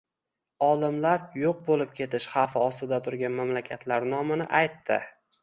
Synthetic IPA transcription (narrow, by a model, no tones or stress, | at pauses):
ɒlˠɪmlaɾjoq̚bolɪp̚kʲʰe̞t̪ʰɪʃhɑfɪɒst̪ɪd̪at̪ʰʊɾɡʲanmamlakʲʰat̪ʰlaɾnɒmanɪ̰ʔajt̪ːɪ